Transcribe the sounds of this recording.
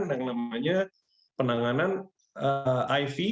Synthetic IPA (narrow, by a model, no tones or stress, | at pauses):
ndaŋnamaɲa | pənaŋanan | əajfi